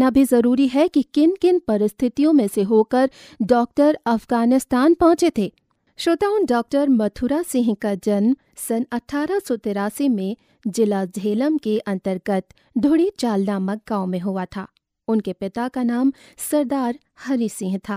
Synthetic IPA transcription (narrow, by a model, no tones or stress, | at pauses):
nabʱizɐɾuːɾiɦɛkikɪnkɪnpɐɾɪst̪ʰɪt̪ijõmẽseɦoːkəɾ | ɖɔːk̚ʈəɾɐfɡaːnɪst̪aːnpɔ̃ːt͡ʃet̪ʰeː | ʃoːt̪aːʊnɖɔːk̚ʈəɾmɐt̪ʰuɾasɪ̃ɦkad͡ʒɐnm | sɐnɐʈʰːaːɾasɔt̪ɪɾaːsimẽ | d͡ʒɪlaːd͡ʒʱeːləmkeʔɐ̃nt̪əɾɡət̪ | d̪ʱʊɽit͡ʃaːlnaːmək̚ɡãːʊ̃mẽɦʊat̪ʰa̰ː | ʊnkepɪt̪akanaːmsɐɾd̪aːɾ | hɐɾisɪ̃ɦt̪ʰaː